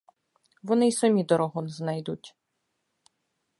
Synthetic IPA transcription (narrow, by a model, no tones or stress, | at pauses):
ʋɔnɪjsɔmʲid̪ɔɾɔɦɔnznajd̪utʲ